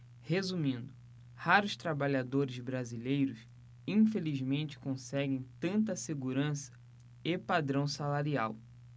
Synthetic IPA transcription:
hezumĩnd̪ʊ | haɾʊst̪ɾabaʎad̪oɾɪzbɾazilejɾʊs | ĩfelizmẽnt͡ʃɪ̥kõsɛɡẽj̃t̪ɐ̃nt̪̬ɐseɡuɾɐ̃sɐ̥ | ɪpad̪ɾɐ̃w̃salaɾia̰w

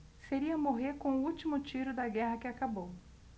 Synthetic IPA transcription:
seɾiɐmoɦeɾkõʊut͡ʃimʊt͡ʃiɾʊd̪ɐɡɛɦɐkɪakabow

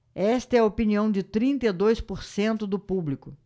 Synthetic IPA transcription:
ɛst̪ɐɛɐopiniɐ̃w̃d͡ʒɪt̪ɾĩnt̪ɐid̪ojspoɾsẽnt̪ʊd̪ʊpublikʊ

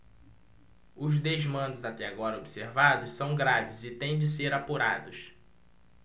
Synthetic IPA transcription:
ʊzd̪ezmɐ̃d̪ʊzat̪ɛaɡɔɾɐobiseɾvad̪ʊssɐ̃w̃ɡɾavɪzɪt̪ẽj̃d͡ʒɪseɾapuɾa̰d̪ʊs

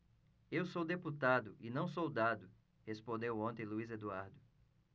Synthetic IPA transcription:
ewsowd̪eput̪ad̪ʊʔɪnɐ̃w̃sowd̪ad̪ʊ | hespõnd̪ewõnt̪ẽluized̪uaɾd̪ʊ

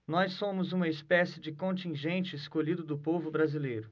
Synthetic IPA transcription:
nɔsːõmʊzũmɐɪspɛsɪd͡ʒɪkõnt͡ʃĩʒẽnt͡ʃɪːskoʎid̪ʊd̪ʊpovʊbɾazilejɾʊ

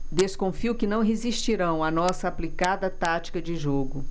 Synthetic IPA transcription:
d̪eskõfiukɪnɐ̃w̃ɦeziʃt͡ʃiɾɐ̃w̃ɐnɔsɐaplikad̪ɐt̪at͡ʃi̥kɐd͡ʒɪʒoɡʊ

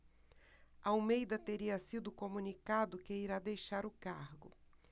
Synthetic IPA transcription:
ɐawmejd̪ɐt̪eɾiɐsid̪ʊkomũnikad̪ʊkɪiɾad̪ejʃaɾʊkaɾɡʊ

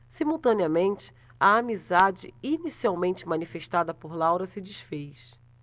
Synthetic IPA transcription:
simuwt̪ɐ̃niɐmẽnt͡ʃɪ̥ | ɐamizad͡ʒɪ̰inisiawmẽnt͡ʃɪmɐ̃nifeʃt̪ad̪ɐpoɾlawɾɐsɪd͡ʒiʃfejs

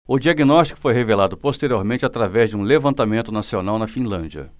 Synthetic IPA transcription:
ʊd͡ʒiaɡinɔst͡ʃi̥kʊ̥fojɦevelad̪ʊpost̪eɾioɾmẽnt͡ʃɪat̪ɾavɛzd͡ʒɪũlevɐ̃nt̪amẽnt̪ʊnasionawnɐfĩlɐ̰̃d͡ʒiɐ̰

